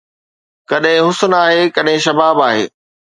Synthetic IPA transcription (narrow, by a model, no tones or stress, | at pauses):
kɐɗɦɪ̃ɦʊsənaːɦeːkɐɗɦɪ̃ʃɐbaːbaːɦḛː